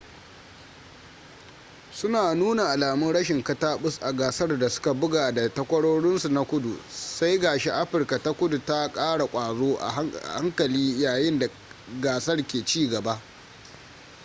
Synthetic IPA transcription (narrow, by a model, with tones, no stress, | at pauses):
sʊ˦naː˨nuː˦na˨ʔa˨laː˨mʊ˦nɽɐ˦ʃɪ˨ŋkɐ˦taː˦ɓʊ˦sʔa˨ɡaː˨sɐ˦rda˨sʊ̥˦ka˨bʊ˦ɡaː˨da˨tɐ˦kʷɐ˦ɽoː˦ɽɪ˦nsu˨na˦kʷʊ˦dṵ˨sa˦jɡaː˨ʃe˦ʔa˦ɸɪ˨rka˨ta˦kʷʊ˦du˨ta˦kʼaː˦ɽa˨kʷʼaː˨zoː˦ʔa̰˨˦a̰˨ha˦ŋkɐ˨liː˦jaː˨jɪ˦nda˨ | ɡaː˨sɐ˦rkʲeː˨t͡ʃiː˦ɡɐ˨ba˦ʔ